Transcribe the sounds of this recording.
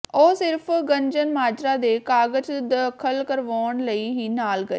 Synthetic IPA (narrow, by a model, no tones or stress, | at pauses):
oːsɪɾpʰɡəɲd͡ʒənmaːd͡ʒɾaːd̪eːkaːɡəd͡ʒd̪əkʰəlkəɾʋoːɳləiːɦiːnaːlɡəḛː